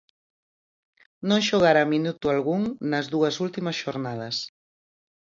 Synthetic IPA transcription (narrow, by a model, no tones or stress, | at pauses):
nõŋʃoɣ̞aɾaminut̪ualɣuŋnɐzðuɐsult̪imɐsʃoɾnað̞ɐs